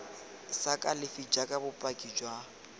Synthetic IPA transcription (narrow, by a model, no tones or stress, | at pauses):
sakʼalɪfid͡ʒakʼabʊpʼakʼid͡ʒwa